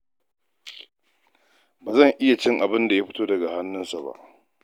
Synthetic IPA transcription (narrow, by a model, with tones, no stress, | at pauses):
baː˨zɐ˦˨ŋʔɪ˦ja˨t͡ʃɪ˦ŋʔa˨bɪ˦nda˨ja˦ɸɪ̥˦toː˦dɐ˨ɡa˨ha˦nːʊ˦nsa˨ba̰˦˨ʔ